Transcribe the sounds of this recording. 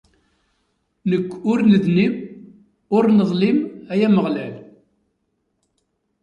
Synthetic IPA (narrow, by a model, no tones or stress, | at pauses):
nəkʷːʊɾnəðnim | ʊɾnəðˤlimæjæməʁlæl